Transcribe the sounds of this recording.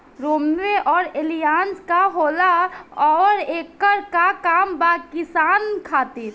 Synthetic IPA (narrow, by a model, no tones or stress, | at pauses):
ɾoːmʋeʔɔːɾelijaːnskaɦoːlaɔːɾeːkːəɾkakaːmbakɪsaːnkʰaːt̪iɾ